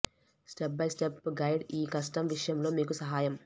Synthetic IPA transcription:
sʈep̚bɐjsʈepɡɐjɖiːkɐsʈɐmʋiʂɐjɐmlo̞ːmiːkusɐɦaːjɐm

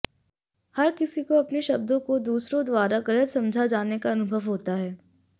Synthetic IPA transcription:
hɐɾkɪsikoɐpneʃɐb̚d̪õkod̪uːsɾõd̪ʋaːɾaɡɐlət̪sɐ̃md͡ʒʱad͡ʒaːnekaɐnʊbʱəʋɦoːt̪aɦɛː

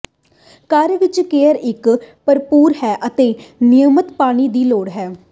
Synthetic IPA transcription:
kəɾʋɪt͡ʃkeːəɾɪkpəɾpuːɾɦɛːʔət̪eːnɪjəmət̪paːɽ̃iːd̪iːloːɽɦɛː

